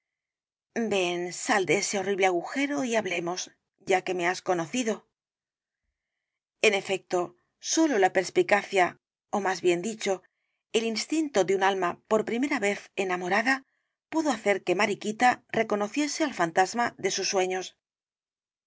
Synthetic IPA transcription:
be̞nsald̪eese̞o̞riβleaɣuxe̞ɾoiaβle̞mo̞z | ɟ͡ʝake̞me̞asko̞no̞θiðo̞ | e̞ne̞fe̞k̚t̪o̞ | so̞lo̞lape̞ɾspikaθja | omazβje̞nd̪it͡ʃo̞ | e̞linst̪int̪o̞ðeunalmapo̞ɾpɾime̞ɾaβe̞θe̞namo̞ɾaða | puðo̞aθe̞ɾke̞maɾikit̪are̞ko̞no̞θje̞sealfant̪azmaðe̞susːwe̞ɲo̞s

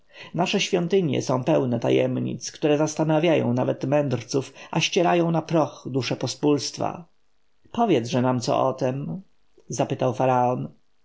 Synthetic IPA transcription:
naʂɛɕfʲjɔnt̪ɘɲjɛ̰sɔ̃w̃pɛwnɛt̪a̰jɛ̰mɲḭt̪skt̪uɾɛzast̪anavʲjajɔ̰̃w̃navɛt̪mɛnd̪ɾt̪sufʔaɕt͡ɕɛɾajɔ̃w̃napɾɔxd̪uʂɛpɔspulst̪fa̰ | pɔvʲjɛd̪zʐɛnamt̪sɔ̰ʔɔt̪ɛm | zapɘt̪awfaɾaɔn

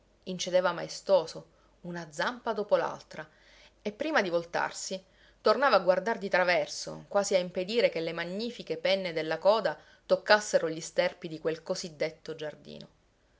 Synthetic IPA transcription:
int͡ʃed̪ɛːvama̰est̪oːso | unad̪zampad̪oːpola̰lt̪ɾa | epːɾiːmad̪ivolt̪a̰rsi | t̪ornaːvaːɡward̪ard̪it̪ɾavɛrso̰kwaːziaimped̪iːɾekelːemaɲːiːfikepɛnːed̪elːakɔːd̪a | t̪okːasːeɾoʎist̪ɛrpid̪ikwelkozid̪ːet̪ːod͡ʒard̪ḭːno̰

